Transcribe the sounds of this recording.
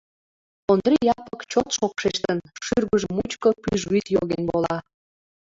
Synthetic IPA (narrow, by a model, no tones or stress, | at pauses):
ond̪rijɑpəkt͡ɕot̪ʃokʃet͡ɕt̪ənʃyrɣəʒəmut͡ɕkəpyʒyt̪joɣenbolɑ